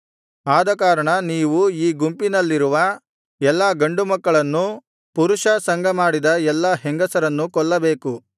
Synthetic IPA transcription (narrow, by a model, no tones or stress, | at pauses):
aːd̪ɐkaːɾɐɳɐniːʋuiːɡumpinɐlːiɾuʋɐ | ɛlːaːɡɐɳɖumɐkːɐɭɐnːu | puɾuʂɐsɐŋɡʱɐmaːɽid̪ɐɛlːɐɦeŋɡɐsɐɾɐnːukɔɭːɐbe̞ːku